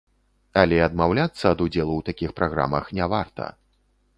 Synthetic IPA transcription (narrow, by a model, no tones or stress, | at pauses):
alʲɛɐd̪mawlʲat̪sːɐːd̪ud͡zʲɛlˠuwt̪akʲixpɾaɣɾa̰mɐxnʲɛvart̪ɐ̰